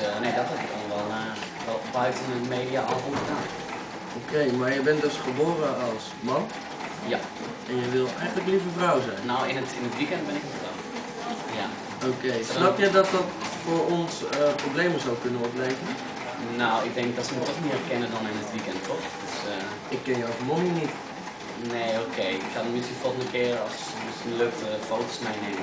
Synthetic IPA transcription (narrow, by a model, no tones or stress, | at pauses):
neːdɔtɦɛpɪk̚dɔnʋɛlˠ | lˠbœɥtənəmeːdiaʔɔlˠvnədaː | okejmaːɹjəbɛndɵsχəboːɾəɑlˠs | mɑn | ja | ɛnjəʋɪlˠɛjχənləklivəfrawzɛjnnowɪnətɪnətʋikɛndbɛnɪkədɔn | ja | okejsnɔp̚tjəjdɔt̚dɔtfʊɹɔnsəprobleːməzawkønənʋɔtblɛjvən | nowɪɡ̚dɛŋ̚dɔtsənɔtəkmiərkɪnədɔnɪnətʋikɛntʰːɔxd̥øs | ɪkːɛnjəɔfmoninit | neːoːkʰejɪkxadɔnmɪskinfolˠxəndəkɪərɔs | səløːk̚təfowtosmɛjneːmə